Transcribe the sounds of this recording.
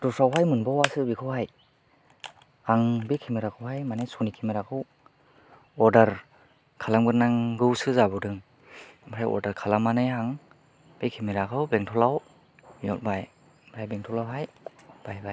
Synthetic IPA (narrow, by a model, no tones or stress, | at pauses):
dɔsawɦajmɯnbɔwasɯbikʰɯwhaj | aŋbekʰimiɾakʰɯwɦajmanajsɔnikʰimeɾakʰɯw | ɔɾdaɾ | kʰalamɡɯt̚naŋɡɯwsɯzabɔdɯŋ | maɾajɔ̰ɾdaɾkʰalamanɯjɦaŋ | b̥ekʰimeɾakʰɯwbeŋtʰɔlaw | mjɔt̚baj | mɾʰajbeŋtʰɔlawɦajb̥ajbaj